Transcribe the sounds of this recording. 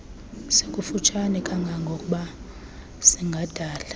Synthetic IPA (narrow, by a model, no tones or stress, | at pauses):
sekʼufut͡ʃʰʼanɛkʼaŋɡʱaŋɡʱokʼuɓa | siŋɡʱad̥ʱaːlḁ